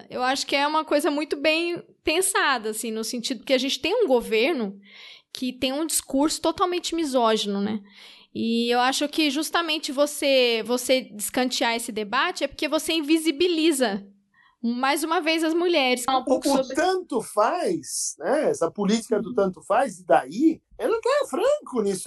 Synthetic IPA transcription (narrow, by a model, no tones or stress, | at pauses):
ewaʃʊ̥kɪɛũmɐkojzɐmũj̃t̪ʊbẽj̃ | pẽsad̪ɐasĩnʊsẽnt͡ʃid̪ʊppkeaʒẽnt͡ʃɪ̥t̪ẽj̃ũɡoveɾnʊkʰɪt̪ẽj̃ũd͡ʒiskuɾsʊ̥t̪ot̪awmẽnt͡ʃɪmizɔʒenʊnɛ | ɪewaʃʊkɪʒust̪ɐmẽnt͡ʃɪvosevosed͡ʒɪskɐ̃t͡ʃiaesɪd̪ebat͡ʃɪɛpʊɾkevoseĩvizibilizɐ | majzũmɐvejzɐzmuʎɛɾɪsfal̃powkʊsʊobt̪ɐ̃nt̪ʊfajsnɛɛsɐpʊlit͡ʃi̥kɐd̪ʊt̪ɐ̃nt̪ʊfajzɪd̪ai | ɛlɛt̪afɾɐ̃kʊnisʊ